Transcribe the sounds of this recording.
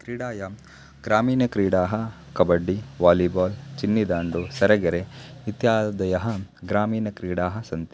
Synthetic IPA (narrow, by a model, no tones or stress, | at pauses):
kɾiːɽaːja | ɡɾaːmiːnɐkɾiːɽaːɦɐkɐbɐɖːiʋaːlibaːlt͡ʃinːid̪aːɳɖusɐɾɐɡɐɾeit̪jaːd̪ɐjɐɦɐɡɾaːmiːnɐkɾiːɽaːɦɐ̆sɐnt̪